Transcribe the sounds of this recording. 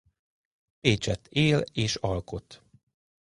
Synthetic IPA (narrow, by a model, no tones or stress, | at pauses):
peːt͡ʃɛt̪ːeːleːʃɒlko̞t̪